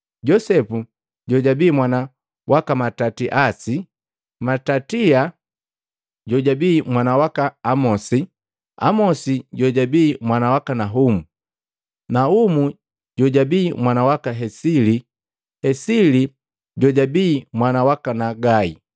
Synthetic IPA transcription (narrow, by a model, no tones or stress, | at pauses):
ɟɔsɛpu | ɟɔɟabiːmwana | wʔakamatatiʔasi | matatia | ɟɔɟabiːmwanawakaːmɔsi | a̰mɔsiɟɔɟabiːmwanawakanaɦumu | naumu | ɟɔɟabiːmwanawakaɦɛsili | hɛsili | ɟɔɟabiːmwanawakanaɡaḭ